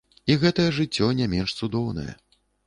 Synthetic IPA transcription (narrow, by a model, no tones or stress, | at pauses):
iɣɛt̪ɐjɐʐɨt͡sʲːɔnʲamʲɛnʂt̪sud̪ɔwnɐ̰jɐ̰